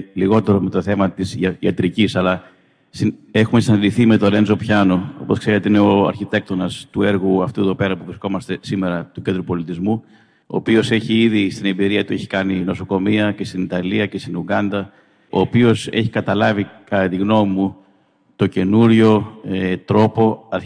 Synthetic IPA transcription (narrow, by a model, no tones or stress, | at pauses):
liɣo̞t̪e̞ɾo̞me̞t̪o̞θe̞mɐt̪isɐ̰t̪ɾicisɐlɐ | sie̞xume̞sinɐd̪iθime̞t̪o̞ɾe̞nzo̞pçɐno̞o̞̰po̞skseɾet̪eineo̞ɐ̰ɾçit̪e̞k̚t̪o̞nɐst̪ue̞ɾɣuɐft̪ueðo̞pe̞ɾɐpuvɾisko̞mɐst̪e̞sime̞ɾɐt̪ucend̪ɾupo̞lit̪izmu | o̰ːpio̞se̞çiiðist̪ine̞mbiɾiɐt̪ueçi̥kɐnino̞so̞ko̞miɐce̞st̪init̪ɐliɐcest̪inuɣɐnd̪ɐ | o̞ːpio̞se̞çikɐt̪ɐlɐvikɐt̪iɣno̞mu | t̪o̞ce̞nuɾʝo̞et̪ɾo̞po̞ɐ